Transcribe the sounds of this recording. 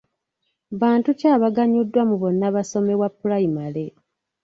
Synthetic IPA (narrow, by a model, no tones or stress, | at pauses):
βaːntucaːβaɡaɲudːwamuβo̞nːaβaso̞me̞wapːulaimale̞